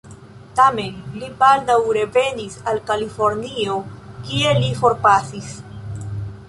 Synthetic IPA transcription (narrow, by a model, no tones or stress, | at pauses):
tame̞nlipaɾdawɾe̞ve̞nisalkalifo̞ɾnio̞kie̞lifo̞ɾpasis